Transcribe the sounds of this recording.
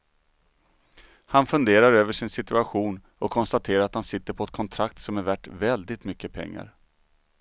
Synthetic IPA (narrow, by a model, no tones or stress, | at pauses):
hanfɵnd̪eːɾaɾøːvəʂɪnsɪt̪ɵaɧuːn | ɔkʰːɔnst̪at̪ʰeːɾaɾat̪hansɪt̪ːəɾpʰɔɛt̪̚kʰɔnt̪ʰɾak̚t̪sɔmæɾvæʈvɛld̪ɪt̪mʏkːəpʰɛ̰ŋːa̰ɾ